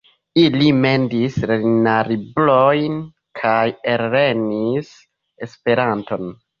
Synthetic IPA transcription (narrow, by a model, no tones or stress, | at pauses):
ilime̞ndisɾenaɾiblojn | kʰajeɾːe̞nis | e̞spe̞ɾanto̞n